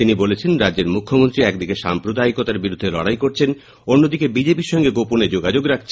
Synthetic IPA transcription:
t̪inibolet͡ɕʰenɾad͡ʑeɾmukʰːomont̪ɾiɛkd̪ikeʃa̰mpɾod̪aikot̪aɾbiɾud̪ʱːelɔ̰ɽajkoɾt͡ɕʰen | onːod̪ikebid͡ʑepiɾʃɔŋɡeɡoponed͡ʑoɡad͡ʑoɡɾakʰt͡ɕʰ

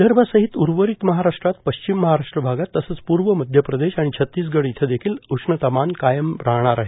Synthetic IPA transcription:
d̪ʱəɾməsəɦit̪uɾʋəɾit̪məɦaɾaʂʈɾat̪pəɕt͡ɕimːəɦaɾaʂʈɾəbʱaɡat̪ːəsət͡spuɾʋəməd̪ʱjəpɾəd̪eɕaɽ̃it͡ɕʰət̪ːiːs̬ɡəɽiit̪ʰəd̪ekʰiːlusɳət̪əmankajəmpɾaɽ̃aɾaɦe

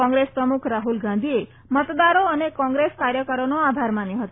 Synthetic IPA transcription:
ɔ̃ŋɡɾespɾəmukʰɾaɦulɡãnd̪ʱie | mət̪d̪aɾoənekɔ̃ŋɡɾeskaɾjəkəɾonoabʱaɾmaneɦət̪o

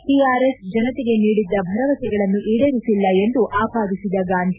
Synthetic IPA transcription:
ʈiːaːɾesd͡ʒɐnɐt̪eɡe̞niːɽid̪ːɐbʱɐɾɐʋɐsɛɡɐɭɐnːuʔiːɽɐɾisilːɐe̞nd̪uʔaːpaːd̪isid̪ɐɡaːnd̪ʱi

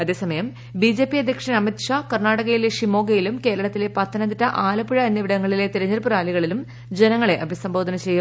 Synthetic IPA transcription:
ɐðe̞ːsɐmɐjɐm | bid͡ʑe̞ːpiɐd̪ʱjɐkʂɐnɐmit̪ʂaːkɐrnaːɽɐɣɐjileʂimo̞ːɡɐjilumke̞ːɾɐɭɐt̪ːile̞pɐt̪ʰːɐnɐnd̪itːɐʔaːlɐpiɻɐenːɐʋiɽɐŋːɐɭile̞t̪iɾɐɲːɐɾpuɾaːliɣɐɭilum | d͡ʑenɐŋːɐɭe̞ʔɐbʱisɐmbo̞ːd̪ʱɐnɐt͡ɕejːu

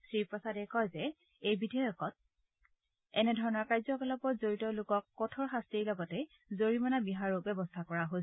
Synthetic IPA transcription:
sɹipɹɔsadɛkɔjzɛ | ejbidɔjɔkɔt̚ | ɛnɛdʱɔɹɔnɔɹkajzɔkɔlɔpɔzoɹitɔlʊkɔkːɔtʰɔɹxastiɹlɔɡɔtɛ | zoɹimanabiɦaɹubɛbɔstʰakɔɹaɦos

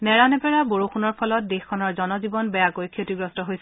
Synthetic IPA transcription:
nɛɹanɛpɛɹaboɹoxunɔɹpʰɔlɔt̚dexkʰːɔnɔɹzɔnɔzibɔnbɛjakojkʰːjotiɡɹɔstɔɦojs

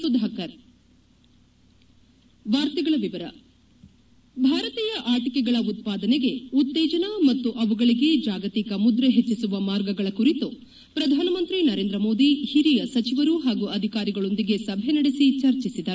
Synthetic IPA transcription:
sud̪ʱaːkɐɾ | ʋaːɾt̪iɡɐɭɐʋiʋɐɾɐ̰ | bʱaːɾɐt̪iːjɐʔaːʈikɛɡɐɭɐut̪̚paːd̪ɐneɡe̞ut̪ːeːd͡ʒɐnɐmɐt̪ːuʔɐʋuɡɐɭiɡe̞d͡ʒaːɡɐt̪ikɐmud̪ɾɐɦet͡ʃːisuʋɐmaːɾɡɐɡɐɭɐkuɾit̪u | pɾɐd̪ʱaːnɐmɐnt̪ɾinɐɾe̞ːnd̪ɾɐmo̞ːd̪ihiɾijɐsɐt͡ʃiʋɐɾuɦaːɡuɐd̪ʱikaːɾiɡɐɭo̞nd̪iɡe̞sɐbʱenɐɽesit͡ʃɐɾt͡ʃisid̪ɐɾu

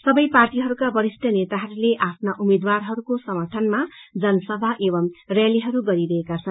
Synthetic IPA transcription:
sʌbʌjparʈiɦʌɾukabʌɾisʈʌnet̪aɦʌɾuleʔapʰnaʔumed̪warɦʌɾukosʌmʌʈʰʌnmad͡zʌnʌsʌbʱaʔebʌmrjaliɦʌɾuɡʌɾiɾʌekat͡sʰʌn

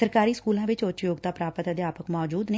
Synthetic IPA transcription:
əɾkaːɾiːskuːlãːʋɪt͡ʃʊt͡ʃjoːɡ̚t̪aːpɾaːpət̪əd̪jaːpəkmɔːd͡ʒuːd̪ne

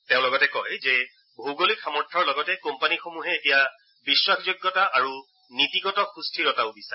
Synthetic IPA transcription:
tẽʊ̃lɔɡɔtɛkɔjzɛ | bouɡolikxamɔɹtʰɔɹlɔɡɔtɛkompanixomuɦɛetija | biswakʰzoɡːɔtaʔaɹu | nitiɡɔtɔxustʰiɹɔtaʊbisa

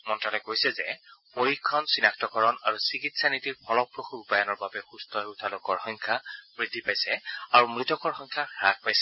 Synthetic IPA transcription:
mɔntalɔkojsɛzɛ̰poɹikʰːɔnsinaktɔkɔɹɔnaɹusikitsanitiɹpʰɔlɔpːɹoxuɹupajanɔɹbabɛxustɔutʰalokɔɹxɔŋkʰamɹidʱːipajsɛaɹumɹitɔkɔɹxɔjŋkʰaxɹak̚pajsɛ

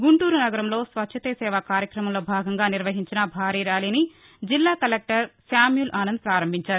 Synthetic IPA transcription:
ɡuɳʈuːɾunɐɡɐɾɐmlo̞ːsʋɐtːʃʰɐt̪esɛːʋaːkaːɾjɐkɾɐmɐmlo̞ːbʱaːɡɐŋɡaːniɾʋɐɦiɲt͡ʃinɐbʱaːɾiːɾaːliːni | d͡ʒilːaːkɐlek̚ʈɐɾsaːmjulʔaːnɐnd̪upɾaːɾɐmbʱiɲt͡ʃaːɾu

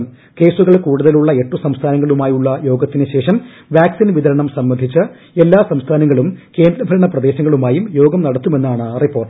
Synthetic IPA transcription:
m | ke̞ːsuɣɐɭkuːɽuðɐluɭːɐe̞ʈːusɐmst̪ʰaːnɐŋːɐɭumaːjuɭːɐjo̞ːɡɐt̪ːinɨɕe̞ːʂɐm | ʋjaːksinʋiðɐɾɐɳɐmsɐmːɐnd̪ʱit͡ɕːɨ | e̞lːaːsɐmst̪ʰaːnɐŋːɐɭumke̞ːnd̪ɾɐbʱɐɾɐɳɐprɐd̪e̞ːɕɐŋːɐɭumaːjumjo̞ːɡɐmnɐɽɐt̪ːume̞nːaːɳɨripːo̞ːrʈ

